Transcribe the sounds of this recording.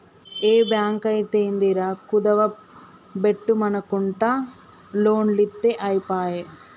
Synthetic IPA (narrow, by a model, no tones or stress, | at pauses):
eːbjaːŋkɐjt̪eːnd̪iɾaːkud̪ɐʋɐ | beʈːumɐnɐkuɳʈaː | loːnlit̪ːeʔɐjipaːje